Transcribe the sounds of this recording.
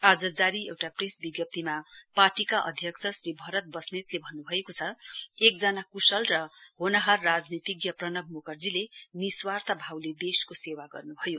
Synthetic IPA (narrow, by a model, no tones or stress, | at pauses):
ad͡zʌd͡zaɾiewʈaprisbiɡjʌp̚t̪imapaʈikaʔʌ̰d̪ʱjʌksʰʌsɾibʱʌɾʌt̪̚bʌsnit̪lebʱʌnːubʱʌekot͡sʰʌek̚d͡zʌnakusʌlrʌɦonʌɦarːad͡znit̪iɡjʌprʌnʌbʱmukʌrd͡zileniswart̪ʰʌbʱawled̪eskosewaɡʌ̰rnubʱʌjo